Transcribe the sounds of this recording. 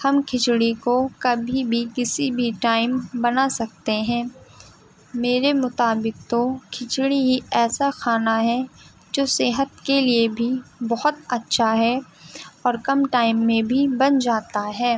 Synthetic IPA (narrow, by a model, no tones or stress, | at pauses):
hɐmkʰɪt͡ʃɽikokɐbʱibʱikɪsibʱiʈaːɪmbɐnasɐk̚t̪eɦɛ̃ː | meːɾemʊt̪aːbɪk̚t̪okʰɪt͡ʃɽiɦiɛːsaxaːnaɦɛ | d͡ʒoːseɦət̪̚keliebʱibɔɦʊt̪ɐtːʃʰaɦɛ | ɔːɾkɐmʈaːɪmːẽbʱibɐnd͡ʒaːt̪aɦɛː